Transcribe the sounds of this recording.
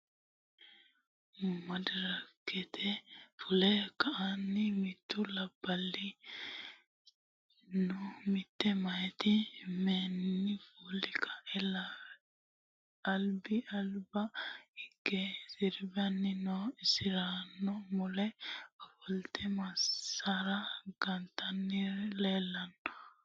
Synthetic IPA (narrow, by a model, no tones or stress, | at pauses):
mɐd̪ɪɾɐkːɛt̪ʰɛfʊlɛkːɐʔanːɪmɪt̪ːʊlɐbːɐlːɪ | nɔmɪt̪ːɛmɐjt̪ɪmɛːnːɪfuːlɪkʰɐ̥ʔɛla | ɐlbɪɐlbɐɪɡːɛsɪɾbɐnːɪnɔɪsɪɾanːɔmɔlɛɔfɔlt̪ɛmɐsaɾɐɡ̥ɐnt̪ʰɐnːɪleːlːɐnːɔ̥